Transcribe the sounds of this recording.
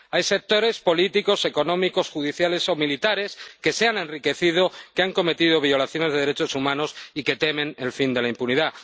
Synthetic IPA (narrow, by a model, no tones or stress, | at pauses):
ajse̞k̚t̪o̞ɾe̞spo̞lit̪iko̞se̞ko̞nõ̞miko̞sxuð̞iθjale̞so̞milit̪aɾe̞ske̞se̞ane̞nrike̞θiðo̞keaŋko̞me̞t̪iðo̞β̞io̞laθjo̞ne̞zð̞e̞ðeɾet͡ʃo̞sumãno̞sike̞t̪e̞mẽ̞ne̞lfind̪e̞laimpuniða